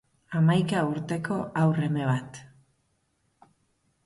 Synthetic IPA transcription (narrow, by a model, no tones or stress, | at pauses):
amajkauɾt̪e̞kʰo̞ʔawre̞me̞βat̪